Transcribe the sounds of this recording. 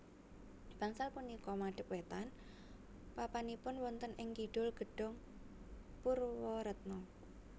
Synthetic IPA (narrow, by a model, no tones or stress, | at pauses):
b̥aŋsalpunikɔmaɖ̥əp̚wet̪an | papanipʊnwɔnt̪ənɪŋkiɖ̥ʊlɡ̥ə̤ɖ̥ɔ̤ŋ | purwɔɾət̪̚nɔ